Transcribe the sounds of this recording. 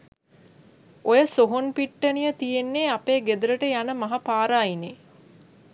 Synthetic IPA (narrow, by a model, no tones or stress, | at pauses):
ojəsoɦonpiʈːənijət̪ijenːeːapeːɡed̪uɾəʈəjanəmɐɦapaːɾaːine